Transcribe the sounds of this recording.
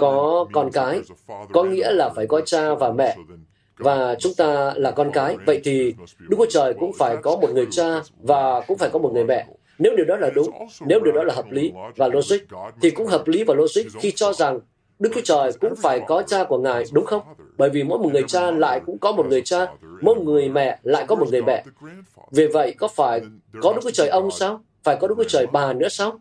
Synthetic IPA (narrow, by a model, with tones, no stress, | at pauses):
kɔ˨˦kɔ˧nkaː˨˦jkɔ˨˦ŋḭ˧˥əlaː˨˩faː˧˩jkɔ˨˦t͡ɕaː˧vaː˨˩mɛ̰˧˨ | vaː˨˩t͡ɕʊ˨˦ŋ͡mt̪aː˧laː˨˩kɔ˧nkaː˨˦jvə̰˧˨jt̪ʰi˨˩ɗɨ˦˥k̚t͡ɕu˨˦˥t͡ɕəː˨˩jkʊ̰˧˥ŋ͡mfaː˧˩jkɔ˨˦mo˨˩t̚ŋɨ˨˩əjt͡ɕaː˧vaː˨˩kʊ̰˧˥ŋ͡mfaː˧˩jkɔ˨˦m˨˩t̚ŋɨ˨˩əjmɛ̰˧˨ | ne˨˦wɗi˨˩əwɗɔ˨˦laː˨˩ɗʊ˨˦ŋ͡mne˨˦wɗi˨˩əwɗɔ˨˦laː˨˩hɦəː˨˩p̚li˨˦vaː˨˩lo˧zwï˦˥k̟̚t̪ʰi˨˩kʊ̰˧˥ŋ͡mɦəː˨˩p̚li˨˦vaː˨˩lo˧zï˦˥k̚xi˧t͡ɕɔ˧za˨˩ŋ | ɗɨ˦˥k̚t͡ɕu˨˦t͡ɕəː˨˩jkʊ̰˧˥ŋ͡mfaː˧˩jkɔ˨˦t͡ɕaː˧ku˧˩əŋa̰ː˧˨jɗʊ˨˦ŋ͡mxə˧wŋ͡mɓəː˧˩jvi˨˩mo̰˧˥jmo˨˩t̚ŋɨ˨˩əjt͡ɕaː˧la̰ː˧˨jkʊ̰˧˥ŋ͡mkɔ˨˦mo˨˩t̚ŋɨ˨˩əjt͡ɕaː˧mo˧˦ŋɨ˨˩əjmɛ̰˧˨la̰ː˧˨jkɔ˨˦mo˨˩t̚ŋɨ˨˩əjmɛ̰˧˨ | ve˨˩və̰˧˨jkɔ˨˦faː˧˩j | kɔ˨˦ɗɨ˦˥k̚ːt͡ɕəː˨˩jʔə˧wŋ͡msaː˧w | faː˧˩jkɔ˨˦ɗɨ˦˥k̪̚ʰːt͡ɕəː˨˩jɓaː˨˩nɨ̰˧˥əsaː˧w